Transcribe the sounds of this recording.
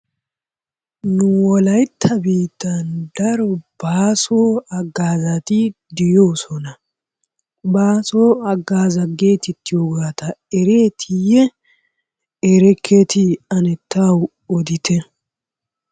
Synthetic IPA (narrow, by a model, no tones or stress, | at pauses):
nʊwɔlɐjt̪ʰːɐbiːt̪ːɐnd̪ɐɾɔb̥aːsoːɐɡːaːzɐt̪ɪd̪ɪjoːsɔnɐ | baːsoːɐɡaːzɐɡe̞ːt̪ɪt̪ːɪjoːɡaːt̪ɐɛɾe̞ːt̪ʰɪjɛ | eɾɛkʰːet̪ɪɐnɛt̪ʰːaːw | ɔd̪ɪt̪ɛ